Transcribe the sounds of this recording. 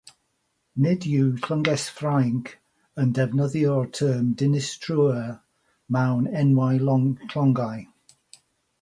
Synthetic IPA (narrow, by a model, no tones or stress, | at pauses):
nɪdjutʰl̥əŋɡɛsfrajŋkʰ | əndɛvnəðiɔɹtʰəːmdɪnɪstʰɹuə | mawnɛnwajlɔkʰlɔŋɡaj